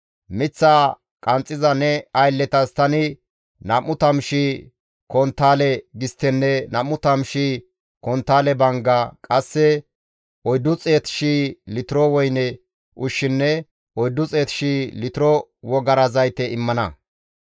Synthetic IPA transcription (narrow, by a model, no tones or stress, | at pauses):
mɪt͡sːaː | kʼɐnt͡sʼːɪzɐnɛɐjlːɛt̪ɐst̪ɐnɪ | nɐmːʊt̪ɐmʃi | kɔnt̪ːaːlɛɡɪst̪ːɛnːɛnɐmʊt̪ɐmʃi | kɔnt̪ːaːlɛbɐŋɡɐakʼɐsːɛ | ɔjd̪ːʊt͡sʼe̞ːt̪ɪ̥ʃilɪt̪ɪɾɔwɔjnɛ | ʔʊʃːɪnːɛ | ɔjd̪ːʊt͡sʼe̞ːt̪ɪ̥ʃilɪt̪ɪɾɔwɔɡɐɾɐzɐjt̪ɛɪmːɐnɐ